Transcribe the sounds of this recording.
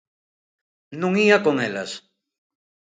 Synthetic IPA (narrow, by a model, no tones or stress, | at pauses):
nũŋiakoŋela̰s